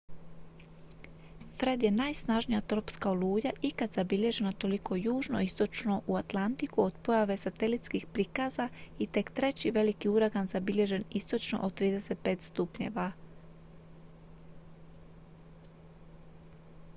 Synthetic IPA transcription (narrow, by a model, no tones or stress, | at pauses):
fɾe̞d̪je̞najsnaʒnijat̪ɾo̞pskaoluːʎaʔikat̪z̥abiʎe̞ʒe̞nat̪o̞liko̞juːʒno̞̰ist̪o̞t͡ʃno̞ʔuat̪lˠant̪ikuod̪po̞jaʋe̞sat̪e̞lit̪skixpɾikazait̪e̞kt̪ɾe̞t͡ɕiʋe̞likiuɾaɡanzabiʎe̞ʒe̞nist̪o̞t͡ʃno̞̰ʔot̪ɾiːd̪e̞se̞t̪̚pe̞ːt̪st̪upɲe̞̰ʋa